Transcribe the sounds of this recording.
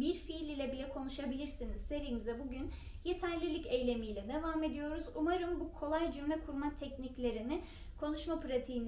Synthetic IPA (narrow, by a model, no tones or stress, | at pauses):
biɾfilʲilʲɛbilʲɛkʰo̞nuʃabilʲiɾsiniz̥se̞ɾijmizɛbuɟyn | je̞t̪ʰæɾlʲilʲice̞jlʲe̞mijlʲɛd̪e̞vaːme̞d̪ijo̞ɾuzumaɾɯmbukʰo̞lˠajd͡ʒymlʲɛkʰuɾmat̪ʰɛcniclʲe̞ɾinɪ | kʰo̞nuʃmapʰɾat̪ʰiin